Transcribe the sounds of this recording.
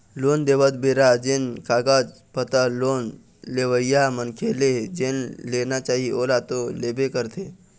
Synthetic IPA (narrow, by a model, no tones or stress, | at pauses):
loːnd̪eːʋət̪beɾad͡ʒenkaːɡaːd͡ʒ | pət̪aloːn | leːʋəijamənkʰeled͡ʒenleːnat͡ʃaːɦioːlat̪oleːbekəɾt̪ʰe